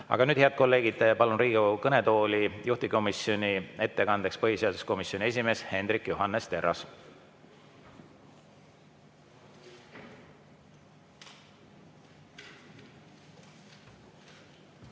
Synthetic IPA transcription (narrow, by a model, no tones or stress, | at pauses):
ɑ̰ɡ̥ɑnyːd̥̪heɑd̪̥̚ko̞lːe̞ːɡ̥id̪̥pɑlunɾiːɡioukɤne̞t̪o̞ːlʲijuht̪iko̞miso̞nʲie̞t̪ːe̞kɑnd̪̥e̞kspɤɦise̞ɑd̪̥usko̞misjo̞nʲie̞s̬ʲime̞ːshe̞nd̪ɾikːˑjuɦɑnːest̪e̞ɾɑs